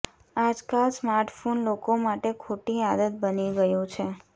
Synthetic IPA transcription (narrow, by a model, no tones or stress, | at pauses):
ad͡ʒkalsmaɾʈfonlokomaʈekʰoʈiad̪ət̪̚bəniɡəjũt͡ʃʰe